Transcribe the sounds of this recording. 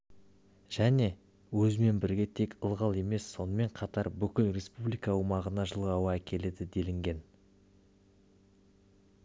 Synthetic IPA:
ʒ̥æne̞ | wɵzɪme̞nbɪɾɡʲe̞t̪ʰe̞kəlˠʁɑlˠe̞me̞sːo̞nəme̞ɴqʰɑt̪ɑɾbʏkʲɪlre̞spublijkɑːwmɑʁənɑʒəlˠʁːwɑækʲʰe̞le̞d̪ɪd̪e̞lɪŋɡʲe̞n

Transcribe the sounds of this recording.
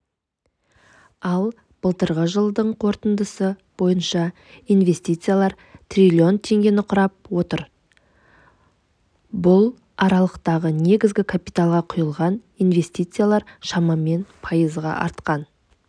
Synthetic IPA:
ɑlˠ | b̥əlˠt̪əɾʁəʒəlˠd̪əɴqʰo̞ɾt̪ənd̪əsəb̥o̞jənʃɑ | ijnve̞st̪ijt̪sɨjalˠɑɾ | t̪rʲilʲio̞nt̪ʰe̞ŋɡʲe̞nɪqʰʊɾɑp̚wo̞t̪əɾ | bʊlˠ | ɑɾɑlˠəqt̪ɑʁəne̞ɡʲɪzɡʲɪkʰapijt̪alˠʁɑqʰʊjəlˠʁɑn | ijnve̞st̪ijt̪sɨjalˠɑɾʃɑmɑme̞npʰɑjəzʁɑ̰ʔɑ̰ɾt̪qɑn

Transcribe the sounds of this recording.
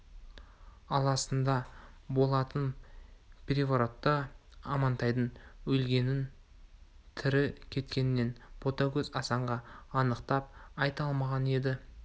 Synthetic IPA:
ɑlˠɑsənd̪ɑbo̞lˠɑt̪ən | pʲʰɾʲevoɾot̪ːəɑmɑnt̪ɑjd̪ənwɵlɡʲe̞nɪn | t̪ʰɪɾɪkʲʰe̞t̪kʲe̞nɪnːe̞nbʰo̞t̪ɑkʲɵzɑsɑɴʁɑːnəqt̪ɑp̚ɑjt̪ɑlˠmɑʁɑne̞d̪ɪ

